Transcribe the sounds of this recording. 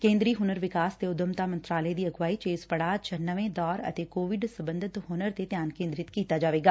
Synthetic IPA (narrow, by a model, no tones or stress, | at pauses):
kẽːnd̪ɾiɦʊnəɾʋɪkaːst̪eʊd̪əmt̪amɐ̃nt̪ɾaːləed̪iɐɡʋaːit͡ʃeːzpɐɽat͡ʃʰɐnːəʋẽd̪ɔːɾɐ̰t̪ekoːʋɪɖsɐbə̃nd̪ʱɪt̪ɦʊnəɾt̪et̪jaːnkẽːnd̪ɾɪt̪kiːt̪ad͡ʒaːʋeːɡaː